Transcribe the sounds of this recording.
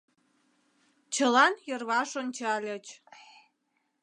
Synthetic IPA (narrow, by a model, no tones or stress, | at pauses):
t͡ɕəlɑnjərβɑʃonʲt͡ɕɑlʲət͡ɕ